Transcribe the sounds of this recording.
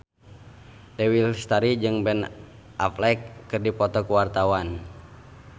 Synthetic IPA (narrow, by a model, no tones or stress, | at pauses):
dɛwilst̪aɾid͡ʒɨŋbɛn | ʔa̰flɛkːɨrdipɔt̪ɔkuwart̪awan